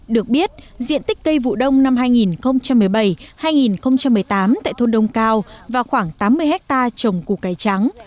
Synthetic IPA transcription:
ɗɨ˨˩ək̚ɓi˦˥ət̚zḭ˧ənt̪i˦˥k̟̚kə˧jvṵ˧˨ɗə˧wŋ͡mna˧mɦaː˧jŋi˨˩nxə˧wŋ͡mt͡ɕa˧mːɨ˨˩əjɓə˧˩jhaː˧jŋi˨˩nxə˧wŋ͡mt͡ɕa˧mːɨ˨˩əjt̪aː˨˦mt̪a̰ː˧˨jt̪ʰo˧nɗə˧wŋ͡mkaː˧wvaː˨˩wxwaː˧˩ŋt̪aː˨˦mːɨ˧əjɦɛ˦˥k̚t̪aː˧t͡ɕə˨˩wŋ͡mku˨˩kaː˨˩jt͡ɕa˨˦ŋ

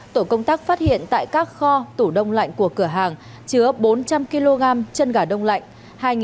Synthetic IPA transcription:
t̪o˧˩kə˧wŋ͡mt̪aː˦˥k̚faː˦˥t̚hḭ˧˨ənt̪a̰ː˧˨jkaː˦˥k̚xɔ˧t̪u˧˩ɗə˧wŋ͡mla̰˧˨jŋ̟ku˧˩əkɨ˧˩əɦaː˨˩ŋ | t͡ɕɨ˨˦əɓo˨˦nt͡ɕa˧mki˧lo˧ɣaː˧mt͡ɕə˧nɣaː˨˩ɗə˧wŋ͡mla̰˧˨jŋ̟ | haː˧jŋ˨

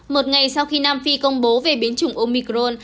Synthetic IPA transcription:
mo˨˩t̚ŋa˨˩jsa˧wxi˧naː˧mfi˧kə˧wŋ͡mɓo˨˦ve˨˩ɓi˨˦ənt͡ɕʊ˨˩ŋ͡mʔo˧mi˧kɾo˧n

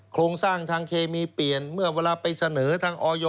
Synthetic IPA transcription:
kʰɾoː˧ŋsaː˥˩ŋt̪ʰaː˧ŋkʰeː˧miː˧pli˨˩ənmɯ˥˩ɐweː˧laː˧pa˧jsa˧nɤː˩˦t̪ʰaː˧ŋʔɔː˧jɔː˧

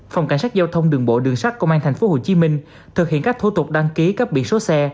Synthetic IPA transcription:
fa˨˩wŋ͡mka˧˩ŋ̟saː˦˥k̚zaː˧wt̪ʰə˧wŋ͡mɗɨ˨˩əŋɓo̰˧˨ɗɨ˨˩əŋsa˦˥k̚kə˧wʔaː˧nt̪ʰɛ˨˩jŋ̟fo˨˦ho˧˨˩t͡ɕi˨˦mï˧ŋ̟ | t̪ʰɨ˨˩k̚hḭ˧˨ənkaː˦˥k̚t̪ʰu˧t̪ʊ˨˩k͡p̚ɗa˧ŋki˨˦kaː˦˥k̚ɓḭ˧ənso˨˦sɛ˧

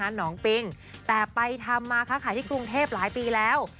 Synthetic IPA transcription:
a˦˧˥nɔː˩˦ŋpi˧ŋ | t̪ɛː˨˩pa˧jt̪ʰa˧mːaː˧kʰaː˦˥kʰaː˨˦jt̪iː˥˩kɾu˧ŋt̪ʰeː˥˩p̚laː˩˦jpiː˧lɛː˦˥w

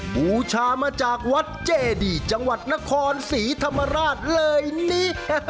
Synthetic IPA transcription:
buː˨˩˦t͡ɕʰaː˧maː˧t͡ɕaː˨˩k̚wa˦˥t̪̚t͡ɕeː˨˧˩diː˨˩t͡ɕa˧ŋwa˨˩t̪̚na˦˥kʰɔː˧nsiː˩˦t̪ʰa˧mːa˧ɾaː˥˩t̪̚lɤː˧jniː˦˥

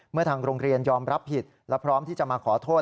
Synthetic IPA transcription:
mɯ˥˩ɐt̪ʰaː˧ŋɾoː˧ŋɾi˧ənjɔː˧mɾa˦˥pʰːi˨˩t̪̚ | lɛ˦˥wpʰɾɔː˦˥mt̪ʰiː˥˩t͡ɕa˨˩maː˧kʰɔː˩˦t̪ʰoː˥˩t̪

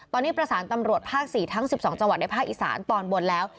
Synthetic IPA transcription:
t̪ɔː˧nːiː˦˥pɾa˧saː˩˦nt̪a˧mɾu˨˩ət̪̚pʰaː˥˩k̚siː˨˩t̪ʰa˦˥ŋsi˨˩p̚sɔː˩˦ŋ̚t͡ɕa˧ŋwa˨˩t̪̚na˦jpʰa˥˩k̚ʔi˨˩sa̰ː˩˦nt̪ɔː˧˩nbo˧nlɛː˦˥w

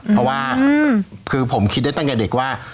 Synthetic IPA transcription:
pʰɾɔ˦˧˥waː˥˩ | kʰɯː˧pʰo˩˦mkʰi˦t̪̚da˥˩t̪a˥˩kɛ˨˩de˨˩k̚waː˥˩

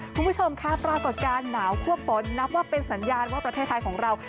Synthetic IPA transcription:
kʰu˧nbu˥˩t͡ɕʰo˧mkʰa˦˥pɾaː˧ko˨˩t̪̚kaː˧nːaː˩˦wkʰu˥˩əp̚fo˩˦nːa˦˥p̚waː˥˩pe˧nsa˩˦njaː˧nwaː˥˩pɾa˧eː˥˩t̪ʰːa˧jkʰɔː˩˦ŋɾa˧w

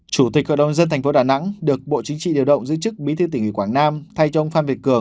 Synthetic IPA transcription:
t͡ɕu˧˩t̪i˨˩k̚hɔ̰ː˧˨ɗə˨˩wzə˧nt̪ʰŋ̟fo˨˦ɗaː˨˩na̰˧˥ŋɗɨ˨˩ək̚ɓo̰˧˨t͡ɕï˨˦ŋ̟t͡ɕḭ˧˨ɗi˨˩əwɗə̰˧˨wŋ͡mzɨ̰˧˥t͡ɕɨ˦˥k̚ɓi˨˦t̪ʰɨ˧t̪ï˧˩ŋwi˧˩kwaː˧˩ŋnaː˧mt̪ʰa˧jt͡ɕɔ˧ʔə˧ŋ͡mfaː˧nvi˨˩əkɨ˧˩əŋ

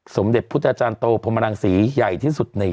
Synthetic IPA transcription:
so˩˦mde˨˩t̚pʰu˦˥t̪̚ʔa˧t͡ɕaː˧nt̪oː˧pʰo˧ma˧ɾaː˧ŋsiː˩˦ja˨˩jt̪ʰiː˥˩su˨˩t̪̚na˧j

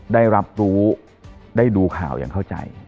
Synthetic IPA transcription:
daː˥˩jɾa˦˥p̚ɾuː˦˥ | daː˥˩jduː˧kʰa̰ː˨˩˦wja̰ː˨˩ŋkʰa˥˩wt͡ɕa̰˧j

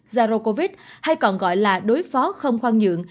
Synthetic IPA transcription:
zaː˧ɾo˧ko˧vi˦˥t̚ | ha˧jkɔ˨˩nɣɔ̰˧˨jlaː˨˩ɗo˨˦jfɔ˨˦xə˧wŋ͡mxwaː˧ŋɲɨ̰˧˨əŋ

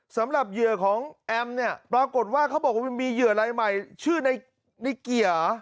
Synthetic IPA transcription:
sa˩˦mɾa˨˩p̚jɯ˨˩əkʰɔː˩˦ŋʔɛ˧mni˥˩ɐpɾaː˧ko˨˩t̪̚waː˥˩kʰa˦˥wbɔː˨˩k̚wa˦˥˩miː˧jɯ˨˩ə˩ɾaː˧jma˨˩jt͡ɕʰɯː˥˩na˧j | na˧jki˨˩ə

